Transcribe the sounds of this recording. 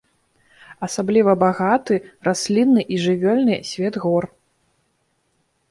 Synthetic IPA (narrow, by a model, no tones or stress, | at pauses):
ɐsablʲivɐbaɣat̪ɨrasʲlʲinːɨʔiʐɨvʲɔlʲnɨsʲvʲɛd̪ɣɔr